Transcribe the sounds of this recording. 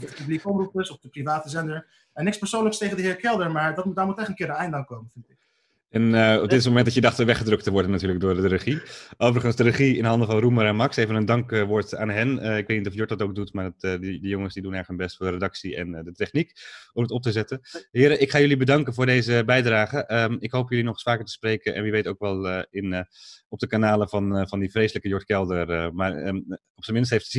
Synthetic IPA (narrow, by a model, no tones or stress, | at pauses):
dəpyblikɔmrupəsɔfdəprivaːtəzɛndəɹ | ɛnɪkspəɹsownləkstejχəndəɦɪːɹkɛlˠdəɹmaːɹdɑt̚mut̚daːɹmətɛχtənkɪːɾənɛjndaŋkowmənfɪntɪk | ɛnəɔb̚dɪtsmomɛntdɑjədɑχtəʋɛχədrɵk̚təʋɔɹdənatyːɹləɡ̚dʊːɹdərəχiʔowvərəχənzdərəχiɪnɦɑndəvɑnruməɾɛnmɑksejvənəndɑŋkəʋɔɹtaːnɦɛnəɪk̚ʋejtnitɔfjɔɹt̚dɑtowɡ̚dutmaːɹdtːdədəjoŋəsdidunɛɹrətɦənbɛstfʊːɹdəredɑksiɛ̰ndətɛχnikɔmətɔp̚təzɛtənɦɪːɾəʔɪkχaːjɵlibədɑŋkənvʊːɹdejzəbɛjdraːχəʔəɪkɦowpjɵlinɔχɪ̥sfaːkəɹtə̥sprejkənʔɛ̰nʋiʋejtowkʋɛlˠəɪnɔp̚dəkanaːləvɑnvɑndifrejsələkəjɔɹtkɛlˠdərəmaːr | ɔpsəmɪnstɦejftz